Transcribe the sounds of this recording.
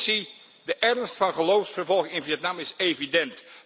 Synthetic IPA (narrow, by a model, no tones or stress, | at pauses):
si | dəʔɛɹnstfɑnχəlowfsfəɹvɔlˠχɪŋɪnvijɛtnamɪsejvidɛnt